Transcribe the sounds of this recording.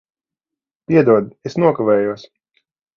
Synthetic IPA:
pʲiɛd̪uɔd̪esnuɔkavɛːjuɔsʲ

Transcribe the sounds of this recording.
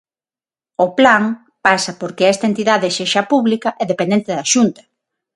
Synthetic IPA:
oplaŋ | pasɐpoɾkeɛst̪aent̪iðaðeʃeʃapuβlikaʔɛðepend̪ent̪eðaʃunt̪ɐ

